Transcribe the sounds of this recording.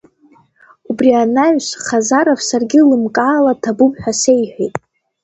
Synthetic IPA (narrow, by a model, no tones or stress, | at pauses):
ubrianaɥʃʷχazaɾovsarɡʲɪlɨmkʼaːlatʰabupħʷᶣasejħʷᶣijtʼ